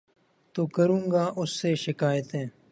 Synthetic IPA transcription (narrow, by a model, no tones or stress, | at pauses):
t̪oːkəɾũːŋɡaːʔʊsːeːʃɪkaːjt̪ẽː